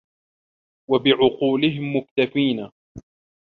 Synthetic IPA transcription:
wabɪʕʊquːlɪɦɪmːʊk̚t̪afiːna

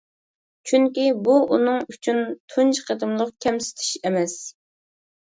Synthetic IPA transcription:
t͡ʃʰyŋkʲibuʔunɨŋyt͡ʃʰynt̪ʰunt͡ʃqʰəd̪ɨmlˠəqkʲʰɛmsɪ̥t̪ʰi̥ʃɪmɛs

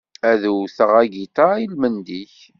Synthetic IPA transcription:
æðuθəʁæɡit̪ailmənd̪iç

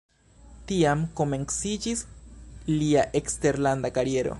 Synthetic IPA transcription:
tiamko̞me̞nsid͡ʒis | liaʔekste̞ɾlandakaɾie̞ɾo̞̰

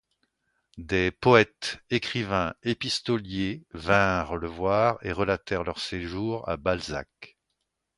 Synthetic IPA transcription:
d̪epɔɛt̪ekχivɛ̃epist̪ɔljevɛ̃ʁləvwaːʁḛʁəlat̪ɛʁlœʁseʒuʁa̰balza̰k

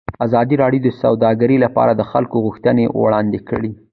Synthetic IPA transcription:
azɑd̪iɾɑɽjod̪əsawd̪ɑɡaɾilapɑ̰ɾad̪əxa̰lkoɣuxt̪ənewɽɑnd̪ekəɽi

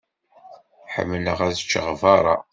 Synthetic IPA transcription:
ħə̰mːləʁæðt͡ʃːəʁvɑɾˤɑ̰

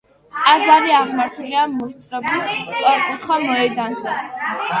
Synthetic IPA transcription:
aɡaɾiaʁmaɾt̪ʰuliamːɔst̪sʼɾɔbist̪sʼɔɾɛkʼit̪ʰχwamɔɛd̪anzɛ

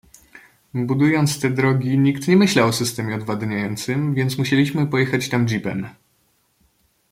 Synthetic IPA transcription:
bud̪ujɔnt̪st̪ɛd̪ɾɔɡʲiɲikt̪ɲɛmɘɕlawɔsɘst̪ɛmʲjɛɔd̪vad̪ɲajɔnt̪sɘmvʲjɛnt̪smuɕelʲiɕmɘpɔjɛxat͡ɕt̪amd͡ʑipɛ̰n

